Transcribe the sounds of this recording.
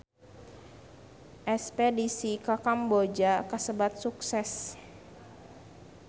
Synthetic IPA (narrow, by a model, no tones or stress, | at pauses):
ʔɛspedisikakambod͡ʒakəsəbat̪̚suksɛs